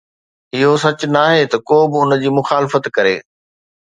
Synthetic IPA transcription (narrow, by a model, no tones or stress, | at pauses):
ɪɦosɐt͡ɕʊnaːɦet̪ɐkoːbɪʊnəd͡ʑiːmʊxaːlɪfət̪kɐɾḛː